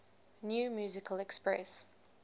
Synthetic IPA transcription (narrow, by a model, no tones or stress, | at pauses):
njuːmjuːzɪkʰəlɛkspɹɛ̰s